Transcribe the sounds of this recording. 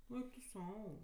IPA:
ˈɛɪk tʊ ˈsɐʊ

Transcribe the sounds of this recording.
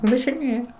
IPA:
ʋɐʒʲɪˈnʲeːjɛ

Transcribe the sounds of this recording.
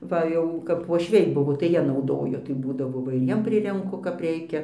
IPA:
ˈʋɐ jɛʊ kɐp ʋuɔʃʲˈʋʲɛɪ ˈbʊʋoː tɐɪ ˈjiɛ nɐʊˈdoːjoː tɐɪ ˈbuːdɐʋoː ˈʋɐ ɪr ˈjiɛm ˈpʲrʲɪrʲɛŋkʊ kɐp ˈrʲɛɪkʲɛ

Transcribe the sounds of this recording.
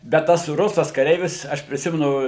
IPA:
bʲɛt ˈtɐs ˈrʊsɐs kɐˈrʲɛɪʋʲɪs ˈɐʃ pʲrʲɪˈsʲɪmʲɛnʊ

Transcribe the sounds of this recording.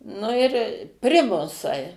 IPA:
nʊ ɪr ˈpʲrʲɪmʊsɐɪ

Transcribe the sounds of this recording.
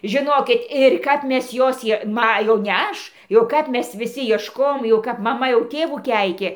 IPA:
ʒʲɪˈnoːkʲɪt ɪr ˈkɐp ˈmʲɛs ˈjoːs ˈjiɛ ˈmɐ jɛʊ nʲɛ ˈɐʃ jɛʊ ˈkɐp ˈmʲɛs ʋʲɪˈsʲɪ iɛʃˈkoːjoːm jɛʊ ˈkɐp mɐˈmɐ jɛʊ ˈtʲeːʋuː ˈkʲɛɪkʲeː

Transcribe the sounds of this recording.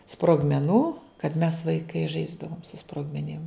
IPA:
sproːɡmʲɛˈnuː kɐt mʲɛs ʋɐɪˈkɐɪ ˈʒɐɪzdɐʋoːm sʊ sproːɡmʲɛˈnʲɪm

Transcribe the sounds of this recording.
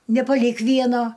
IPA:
nʲɛpɐˈlʲiːk ˈʋʲiɛnoː

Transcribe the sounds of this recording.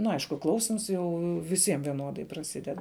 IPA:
nʊ ˈɐɪʃkʊ ˈklˠɐʊsʲɪms ˈjɛʊ ʋʲɪˈsʲiɛm ʋʲiɛˈnoːdɐɪ prɐˈsʲɪdʲɛt

